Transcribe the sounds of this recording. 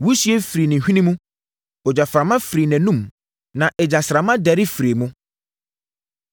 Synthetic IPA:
wu˦si˦ɛ˦fɾi˨nɪ̃˨hᶣĩ˦nĩ˦mũ˦ | ɔ˨d͡ʑa˨fɾa˨mã˦fɾi˨nɛ̃˨nũ˦˨m | nã˨ʔɛ˨d͡ʑa˨sɾa˨mã˦dɛ˨˦ɾɪ˦fɾi˨mũ˦

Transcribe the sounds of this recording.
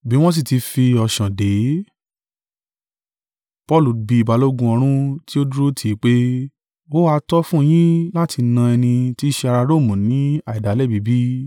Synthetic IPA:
bi˦w̃ɔ̃˦s̬i˦˨ti˧fi˧ɔ˧˨ʃã˨de˨˦ | pɔ˦˨lu˨bi˧˨i˨ba˨˧lo˦ɡũ˧˦ɔ˧ɾ̃ũ˦ti˦o˦du˦ɾo˦tʰi˦˨˦k͡pe˦ | wo˦a˧tɔ˦fũ˦˧j̃ĩ˦la˦tʰi˧nã˧ɛ˧nĩ˧ti˦ʃe˧a˧ɾa˧ɾo˦˨mũ˨nĩ˨˦a˦˨i˨da˨˦lɛ˦˨bi˨˦bi˦

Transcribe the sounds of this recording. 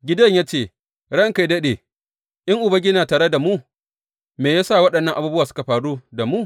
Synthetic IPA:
ɡʲɪ˦dɐ˦ɲjaː˦t͡ʃeː˦˨ | ɽɐ˦ŋka˨jdɐ˦ɗeː˨ | ʔɪ˦ŋʔʊ˨bɐ˦ɡʲɪ˦naː˨taː˨ɽe˦da˨muː˦ | meː˨jaː˦sa˦˨wɐ˦ɗɐ˨nːɐ˦ŋʔa˨bu˦bʊ˦waː˨sʊ̥˦ka˨ɸaː˨ɽu˦da˨mu˦

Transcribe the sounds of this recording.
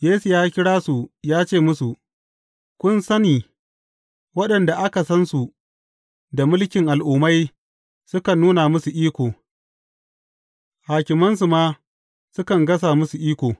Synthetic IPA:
jeː˦su˨jaː˦kʲɪ˦ɽaː˦su˨jaː˦t͡ʃeː˦˨mʊ˦su˨ | kʷʊ˦nsɐ˦niː˨ | wɐ˦ɗɐ˨nda˨ʔa˦ka˨sɐ˦nsu˨ | da˨mʊ˦lkʲɪ˨ŋʔa˨lʔuː˨ma˦j | sʊ˦kɐ˨nːuː˦na˨mʊ˦su˨ʔiː˦kʷoː˨ | haː˨kʲɪ˨mɐ˦nsu˨maː˦ | sʊ˦kɐ˨ŋɡɐ˦s̬aː˨mʊ˦su˨ʔiː˦kʷoː˨

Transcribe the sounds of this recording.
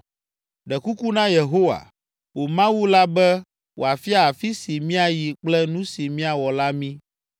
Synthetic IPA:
ɖɛ˨ku˦ku˦nã˦je˨ɦo˦wa̰˨ | wo˨mã˦wu˦la˦bɛ˦ | wʔo̰˨a˨fi˦a˦a˨fi˦si˨mĩ˦a˨ji˨k͡plɛ˦nũ˦si˨mĩ˦a˨wɔ˨la˦mĩ˦

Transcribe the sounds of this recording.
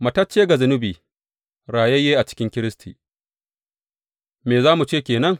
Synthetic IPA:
mɐ˨tɐ˦t͡ʃːeː˦ɡa˨zʊ˨˦nʊ˦biː˨ | ɾaː˨jɛ˦jeː˦ʔa˨t͡ʃɪ̥˦kʲɪ˦ŋkʲɪ˦ɾɪ˦stʰḭː˨ | meː˨zaː˦mu˨t͡ʃeː˦˨kʲeː˨nɐ˦ŋ

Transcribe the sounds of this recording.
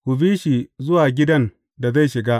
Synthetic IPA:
kʷʊ˨biː˦ʃi˨zʊ˦waː˨ɡʲɪ˦dɐ˦n | da˨za˦˨ʃɪ˨ɡa˦ʔ

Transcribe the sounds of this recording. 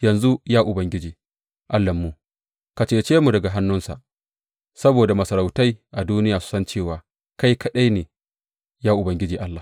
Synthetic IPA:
jɐ˨nzu˦jaː˦ʔʊ˨bɐ˨ŋɡʲɪ˦d͡ʒiː˨ | ʔa˦lːɐ˨mːu˨ | ka˨t͡ʃeː˦t͡ʃeː˦mu˨dɐ˨ɡa˨ɦa˦nːʊ˦nsa̰˨ʔ | sɐ˦boː˨da˨mɐ˨sɐ˨ɾa˨wta˦jʔa˨duː˦nɪ˦jaː˨su̥˦sɐ˦nt͡ʃeː˦˨waː˨ | ka˦jkɐ˦ɗa˦jneː˨ | jaː˦ʔʊ˨bɐ˨˦ŋɡʲɪ˦d͡ʒiː˨ʔa˦lːaː˨

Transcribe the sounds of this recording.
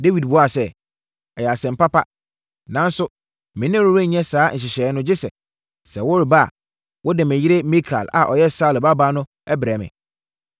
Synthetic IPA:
de˦wi˨d̚bʊ˦a˦˨sɛ˦ | ɛ˨jɛ˨a˨sɛ̃˨m̩˨pa˦pa˦ | nã˨˦n̩˦sʊ˦ | mɪ̃˨˦n˦ɪ̃˦ɾu˦ɾẽ˦ɲ̩˨ɲ˦ɛ̃˦saː˨˦n̩˨ɕ̬ɪ˨ɕɛː˨˦nʊ̃˦d͡ʑɪ˦sɛ̰˨t | sɛ˨wɔ˦ɾba̰˦˨ | wʔɔ˦dɪ˨mɪ̃˨jɪ˦ɾe˦mi˦kʰa̰˨la̰˨ʔɔ˨jɛ˦sa˦˨lɪ˨ba˦baː˦nʊ̃˦ | ɛ˦bɾɛ˨mɪ̰̃˨

